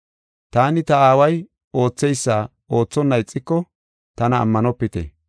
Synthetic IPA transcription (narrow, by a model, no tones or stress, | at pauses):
t̪aːnɪt̪ɐaːwɐj | o̞ːt͡sːɛjsːa | o̞ːt͡sːɔnːɐɪt͡sʼːɪkːɔ | t̪ɐnɐ̰ːmːɐnɔpːɪt̪ɛ̰